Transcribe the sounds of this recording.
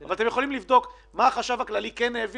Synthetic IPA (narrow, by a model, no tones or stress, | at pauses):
avalat̪ejeχolimlivd̪o̞k | maːχaʃavaklalikenev